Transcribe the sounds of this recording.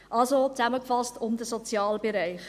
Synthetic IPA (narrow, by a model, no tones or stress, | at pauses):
ʔɑlsot͡sæməkfɑstʰʊmdəsot͡sjɑːlbeɾæɪχ